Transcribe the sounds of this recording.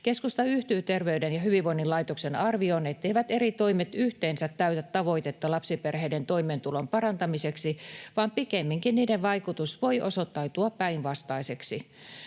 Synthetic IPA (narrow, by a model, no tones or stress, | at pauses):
keskust̪ɑyht̪yːt̪erʋeydenjɑhyʋiʋʋoinːilɑit̪oksenɑrʋionet̪ːˑeiʋæt̪eɾit̪oimet̪yht̪eːnsæt̪ːæyt̪æt̪ːɑʋo̞it̪et̪ːɑlɑpsiperheident̪oimeːnt̪ulompɑrɑnt̪ɑmiseksiʋɑːmpikemːiŋkinniːdeʋɑikut̪usʋo̞iʔo̰sot̪ːɑit̪uɑppæinʋɑst̪ɑiseksi